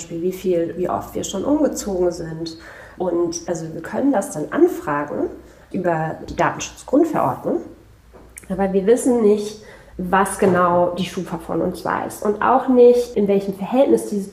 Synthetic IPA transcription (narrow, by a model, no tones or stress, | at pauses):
ʃpiːlviːfiːlviːʔɔ̰ftv̥iːɐʃoːnʔʊmɡət͡soːɡŋ̩zɪnt | ʔʊntʔalzoviːɐkʰœnəndasd̥anʔa̰nfʁ̥aːɡŋ̩ | ʔyːbɐd̥iːdaːtn̩ʃʊ̥t͡sɡ̥ʁʊntfɛɐʔɔ̰ɐdnʊŋ | ʔaːbɐviːɐvɪsn̩nɪçtvasɡ̥ənaʊd̥iːʃuːfɐfɔ̰nʊ̰nsv̥a̰ːɪsʔʊntʔa̰ʊxnɪçtʔɪnvɛlçəmfɛɐhɛltnɪsd̥iːzə